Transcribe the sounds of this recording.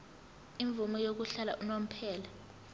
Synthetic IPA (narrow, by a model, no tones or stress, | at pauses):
iɱb̪vumɔjok̬uɬala̰ʔunom̩pʰɛːla